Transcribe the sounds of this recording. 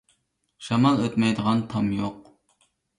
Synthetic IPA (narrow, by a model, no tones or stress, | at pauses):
ʃɑmɑlˠøt̪mɛjd̪əʁɑnt̪ʰɑmjoq